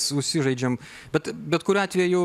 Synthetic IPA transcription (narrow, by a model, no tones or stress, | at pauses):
sʊʃʲsʲɪʒɐɪd͡ʒʲɛm | bʲɛt̪bʲɛt̪kʊɾʲɑːt̪ʲʋʲɛjjʊ